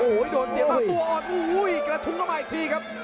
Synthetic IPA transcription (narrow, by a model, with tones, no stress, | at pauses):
ʔo˧o˩˦jdoː˨˩t̪n̚si˨˩˦saː˨˩t̪u˧ɐʔɔː˨˩nʔuː˧˩˦jkɾa˧t̪ʰu˧˥ŋkʰa˥˩wmaː˨˩t̪ʰiː˧kʰa˦˥p̚